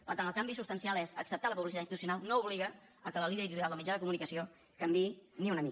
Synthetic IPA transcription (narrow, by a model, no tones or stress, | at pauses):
pəɾt̪anəlˠkambisupst̪ənsialˠesəksəp̚t̪aləpuβlisit̪ainst̪it̪usjunalˠnouβliɣə | əkələliðəɾialˠd̪əlˠmid͡ʒaðəkumunikəsio | kəmbiniunəmi